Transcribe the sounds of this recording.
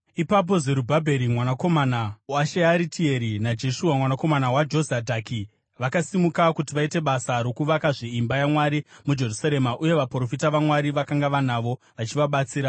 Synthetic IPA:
ipap̬o̞ze̞ɾubʱabʱe̞ɾimwanako̞manawaʃeaɾitʰie̞ɾinad͡ʒe̞ʃuwamwanako̞manawad͡ʒo̞zadʱaːki | ʋakasimukakutiʋaite̞ɓasaɾo̞kuʋakaʐiimbajamwaɾimud͡ʒe̞rusaɾe̞maʔuje̞ʋapro̞fitaʋamwaɾiʋakaŋɡaʋanaʋo̞ | ʋat͡ʃiʋaɓat͡siːɾa

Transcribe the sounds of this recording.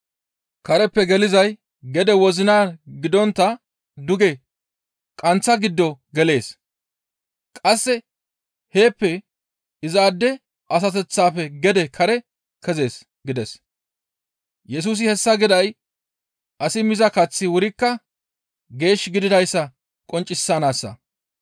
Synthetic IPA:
kɐɾɛpːɛɡɛlɪzɐj | ɡɛd̪ɛwɔzɪnaːɡɪd̪ɔnt̪ːɐ | d̪ʊɡɛ | kʼɐnt͡sːɐɡɪd̪ːɔɡɛle̞ːs | kʼɐsːɛ | he̞ːpːɛ | ɪzaːd̪ːɛ | ɐs̬ɐt̪ɛt͡sːaːfɛɡɛd̪ɛkʰɐɾɛ | kʰɛzeːs | ɡɪd̪ɛs | jɛs̬uːs̬ɪhɛsːɐɡɪd̪ɐj | ʔɐsɪmɪzɐkɐt͡sːɪwʊɾɪkːɐ | ɡe̞ːʃɡɪd̪ɪd̪ɐjsːɐ | kʼɔnt͡ʃʼːɪsːanaːsːɐ̰

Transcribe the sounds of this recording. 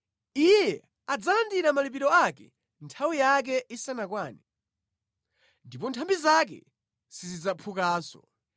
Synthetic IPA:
ijɛ | ad͡zalandiɾamalip̬iɾɔakɛ | ntʰawijak̬ɛʔisanakwaːni | ndipɔntʰambizak̬ɛ̰ | sizid͡zapʰukaːsɔ̰

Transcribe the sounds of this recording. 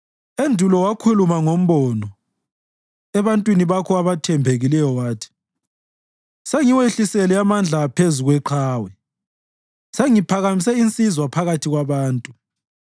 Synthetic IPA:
endʱulɔwakʰulumaŋom̩βɔnɔ | ɛβantʼwiniβakʰɔaβatʰɛmbʱeɣilɛjɔwaːtʰi̥ | seŋiweɬisɛlɛamand͡ɮʱapʰezuɣwɛǃʰaːwɛ | seŋipʰaɣamisɛint͡sʼizwapʰaɣatʰiɣwaβaːntʼu

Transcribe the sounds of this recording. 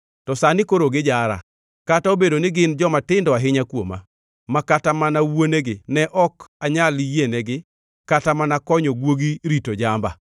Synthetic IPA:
tɔsanɪkoɾoɡɪd͡ʒaɾa̰ | kataobedonɪɡɪnd͡ʒɔmatɪndɔaɦɪɲakwoma̰ | makatamanawoneɡɪnɛʔɔkaɲaljenɛɡɪ | katamanakɔɲɔɡwoɡiɾitod͡ʒamba̰

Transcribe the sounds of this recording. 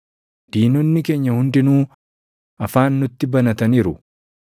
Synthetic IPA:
d̪̥iːnɔnːɪkeːɲːɐhʊnd̪ɪnuː | ʔɐfaːnːʊt̪ːɪbɐnɐt̪ɐniːɾʊ

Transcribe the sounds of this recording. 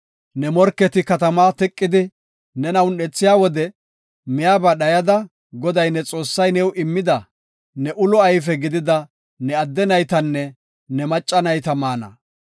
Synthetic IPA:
nɛmɔɾkːɛt̪ɪkɐt̪ɐmaːt̪ɛkʼːɪd̪ɪ | nɛnɐwʊnɛt͡sːɪjaːwɔd̪ɛ | mɪjaːbɐɗɐjɐd̪ɐ | ɡɔd̪ɐjnɛt͡sʼo̞ːsːɐjnɛwʔɪmːɪd̪ɐ | nɛʔʊlɔɐjf̬ɛɡɪd̪ɪd̪ɐ | nɛɐd̪ːɛnɐjt̪ɐnːɛ | nɛmɐt͡ʃʼːɐnɐjt̪ɐmaːnɐ̰

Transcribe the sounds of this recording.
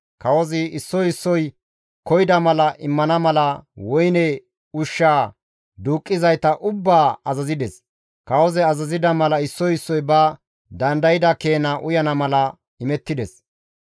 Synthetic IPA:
kɐwɔzɪɪsːɔjɪsːɔj | kɔjɪd̪ɐmɐlɐʔɪmːɐnɐmɐlɐwɔjnɛ | ʊʃːaː | d̪uːkʼːɪzɐjt̪ɐʔʊbːaːɐzɐzɪd̪ɛs | kɐwɔzɛɐzɐzɪd̪ɐmɐlɐɪsːɔjɪsːɔjbɐ | d̪ɐnd̪ɐjɪd̪ɐkeːnɐʔʊjɐnɐmɐlɐ | ɪmɛt̪ːɪd̪ɛs

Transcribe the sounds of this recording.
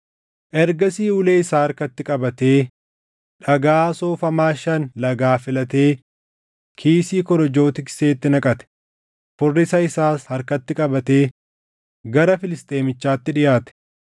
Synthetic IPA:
ʔɛɾɡɐsiːʊleːɪsaːɐɾkɐt̪ːɪkʼɐbɐt̪e̞ː | ᶑɐɡaːsoːfɐmaːʃɐnlɐɡaːfɪlɐt̪eː | kʰiːsiːkɔɾɔd͡ʒo̞ːt̪ɪkse̞ːt̪ːɪnɐkʼɐt̪ɛ̥ | fʊrːɪsɐɪsaːshɐɾkɐt̪ːɪkʼɐbɐt̪e̞ː | ɡɐɾɐfɪlɪst̪ʼe̞ːmɪt͡ʃːaːt̪ːɪᶑɪjaːt̪ɛ̥

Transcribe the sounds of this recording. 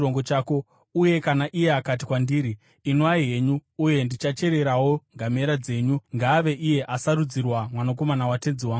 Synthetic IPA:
oŋɡot͡ʃaːko̞ | uje̞kanaʔije̞akati̥kwandiːɾiː | noaiɦe̞ɲuːje̞ndit͡ʃat͡ʃe̞ɾe̞ɾawo̞ŋɡame̞ɾad͡ze̞ːɲuŋɡaːʋe̞ʔije̞ʔasaɾud͡zirwamwanok̬o̞manawate̞nd͡ziwaːŋɡ

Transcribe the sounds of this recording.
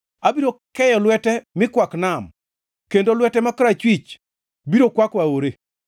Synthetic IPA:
abiɾokɛjɔlwɛtɛmɪkwaknam | kendolwɛtɛmakɾat͡ʃwit͡ʃ | biɾokwakwaoɾe

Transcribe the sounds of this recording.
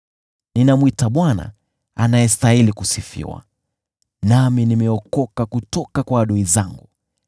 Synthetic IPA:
ninamwitaɓwana̰ | a̰najɛstailikusifḭwa̰ | naminimɛɔkɔkakutɔkakwaːɗuizaŋɡu

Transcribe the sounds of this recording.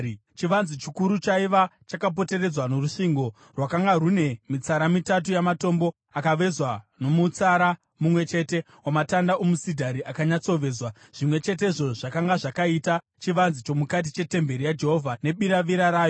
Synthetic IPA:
t͡ʃiʋanzit͡ʃikuɾut͡ʃaiʋat͡ʃakap̬o̞te̞re̞d͡zwano̞ruʂiːŋɡo̞ | rwakaŋɡarune̞mit͡saɾamitat̬ujamato̞mbo̞ | akaʋe̞zwano̞mut͡saɾa | mumwe̞t͡ʃe̞ːte̞ | wamatandaomusidʱaɾiʔakaɲat͡so̞ʋe̞ːd͡zwa | ʐ̥imwe̞t͡ʃe̞t̬e̞ʐo̞ʐ̥akaŋɡaʐakaita | t͡ʃiʋanzit͡ʃo̞mukat̬it͡ʃe̞te̞mbe̞ɾijad͡ʒe̞ɦo̞vʱane̞ɓiɾaʋiɾaɾaːjo

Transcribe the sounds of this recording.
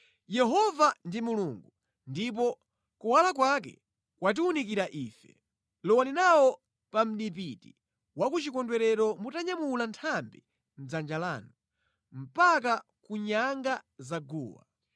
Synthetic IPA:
jɛɦɔvandimuluŋɡu | ndip̬ɔ | kuwalakwakɛ̰ | kwat̬iunikiɾaʔiːfɛ̥ | lɔwaninawɔ | pam̩ɗipiti | wakut͡ʃikɔndwɛɾɛɾɔmutaɲamulantʰambi | m̩d͡zand͡ʒala̰ːnu | m̩pak̬a | kuɲaŋɡazaɡṵːwa̰

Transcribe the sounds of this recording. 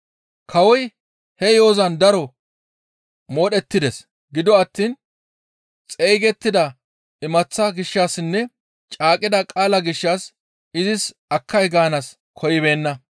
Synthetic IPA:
kʰɐwɔj | hɛjo̞ːzɐnd̪ɐɾɔ | mo̞ːɗɛt̪ːɪd̪ɛs | ɡɪd̪ɔɐt̪ːiːn | t͡sʼɛjɡɛt̪ːɪd̪ɐ | ɪmɐt͡sːɐɡɪʃːaːsɪnːɛ | t͡ʃʼaːkʼɪd̪ɐkʼaːlɐɡɪʃːas | ɪzɪs | ɐkːɐjɡaːnɐs | kʰɔjɪβe̞ːnːɐ

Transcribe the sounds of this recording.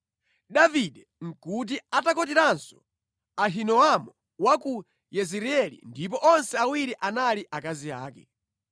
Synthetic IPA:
ɗaviɗɛŋ̩kut̬iatakɔt̬iɾansɔ̥ | aɦinɔamɔ | waku | jɛziɾɛɛlḭndip̬ɔʔɔnsɛawiɾiʔanaliʔakazia̰ːkɛ̰

